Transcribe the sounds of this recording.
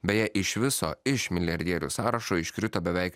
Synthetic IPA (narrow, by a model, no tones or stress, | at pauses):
bʲɛjɛʔɪʃʋʲɪso̰ːɪʃmʲɪlʲɪjɛɾʲd̪ʲɛːɾʲṵːsɑːɾɐʃoːɪʃkɾʲɪt̪oːbʲɛʋʲɛɪk